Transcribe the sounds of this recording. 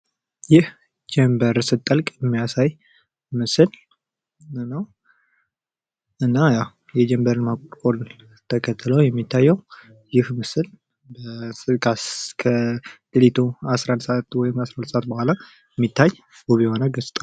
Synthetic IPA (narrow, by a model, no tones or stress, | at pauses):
jɪh | d͡ʒɛmbəɾsɨt̪ʼːəlkʼjɛmːijasaj | mɨsɨl | nəw | ʔɨnːajaw | jɛd͡ʒɛmbəɾɨnmakʼkʼol | t̪ʰəkʰət̪ʰːɨləwjɛmːit̪ʰːajːɛw | jɪhmɨsɨl | bəɨkʰakʰəɡ̥ɨlit̪ʰuasɾand̪səat̪wɔjɪmasɾand̪səʔat̪̚bohʷala | jɛmːit̪ʰːaj | boβiho̞nəɡəsʼt̪ʼa